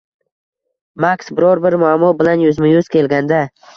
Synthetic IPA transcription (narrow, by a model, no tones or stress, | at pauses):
maksbɪɾɒɾbɪɾmʊamːɒbɪlanjʊzmɪjʊz̥kʲe̞lɡʲand̪a